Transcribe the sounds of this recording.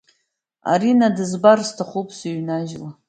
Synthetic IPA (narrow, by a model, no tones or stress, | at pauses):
a̰ɾinadɨzbarstʰaχupʰsaɥnaʒla